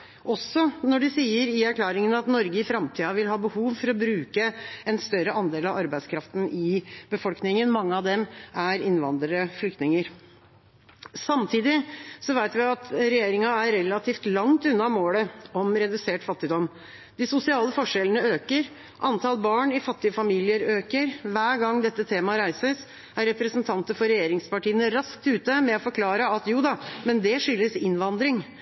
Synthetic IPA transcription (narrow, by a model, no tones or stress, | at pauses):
ʔɔsːɔnɔɖɛsiːəɾɪæɾkʰlɑːɾɪŋənɑt̪nɔɾɡəɪfɾɑmt̪ʰiːɑʋɪlɦɑːbəhuːʋfɔɾɔbɾʉːkəɛnst̪œɾəʔɑnd̪eːlɑʋɑɾbæɪskʰɾɑft̪n̩ɪbəfɔlknɪŋənmɑŋːəɑʋd̪ɛmæɾɪnʋɑ̰nd̪ɾəɾəflʏk̚t̪nɪŋəɾ | sɑmt̪ʰiːd̪ɪsɔʋæɪt̪ʋɪɑt̪ɾɛjeːɾɪŋɑæɾɛlːɑt̪ʰiːft̪lɑŋt̪ʉnːɑmoːləɔmɾɛd̪ʉseːʈfɑt̪ːɪd̪ɔm | d̪̥ɪsʊsɪɑːləfɔʂɛlənəøːkəɾ | ʔɑnt̪ʰɑlbɑːɳɪfɑt̪ːɪəfɑmiːlɪəɾøːkəɾʋæːɾɡɑŋd̪ɛt̪ːət̪ʰeːmɑɾæɪsəs | æɾɛpɾəsnt̪ʰɑnt̪əfɔɾɛjeːɾɪŋspɑʈiːənəɾɑsk̚t̪ʉːt̪əmɛɔfɔɾkʰlɑːɾəɑt̪juːd̪ɑmɛnd̪ɛʂʏlːəsɪnʋɑnd̪ɾɪŋ